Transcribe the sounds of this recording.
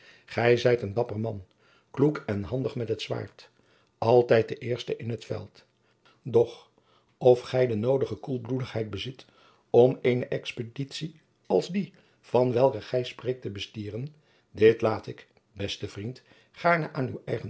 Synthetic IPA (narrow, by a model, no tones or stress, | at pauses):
χɛjzɛjtəndɑpərmɑn | klukɛnɦɑndəχmɛtɦətsʋa̰ːɹt | ʔɑlˠtɛjt̚dəʔɪːɹstəʔɪnɦətfɛ̰lˠt | dɔχ | ɔfχɛjdənowdəχəkulˠbludəχɦɛjd̚bəzɪt | ɔmejnəʔɛkspəditsi | ɑ̰lˠzdi | v̥ɑnʋɛlˠkəχɛjsprejk̚təbəstiːrən | dɪtlaːtɪk | bɛstəvrint | χaːɹnəʔaːnywɛjχə